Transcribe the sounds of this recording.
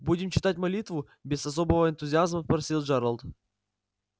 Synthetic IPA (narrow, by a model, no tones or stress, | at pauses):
budʲɪmt͡ɕɪt̪at̚ʲmɐlʲit̪vʊ | bʲɪzɐs̬o̞bəvəɪnt̪ʊzʲɪazməfpɾɐsʲilˠʐɛɾəlˠt̪